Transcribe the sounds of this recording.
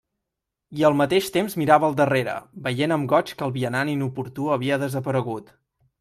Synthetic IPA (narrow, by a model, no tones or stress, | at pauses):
iəlˠmət̪eʃt̪emzmiɾaβəːlˠd̪əreɾə̰bəjenəmɡɔt͡ʃkəlˠβiənaninupuɾt̪uəβ̞iəðəzəpəɾəɣut̪